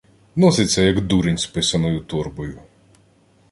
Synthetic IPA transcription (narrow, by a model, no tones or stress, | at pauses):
nɔsɪt͡sʲːɐjɐɡd̪uɾɪnʲspɪsɐnɔjʊt̪ɔrbɔjʊ